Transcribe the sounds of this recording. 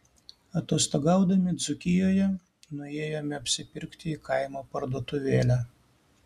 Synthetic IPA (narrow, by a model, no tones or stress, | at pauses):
ɐt̪oːst̪oɡɑˑʊd̪ɐmʲɪd̪zʊkʲɪjoːjɛ | nʊeːjoːmʲɛɐpʲsʲɪpʲɪɾʲkt̪ʲɪiːkɐɪmoːpɐɾd̪oːt̪ʊʋʲeːlʲæː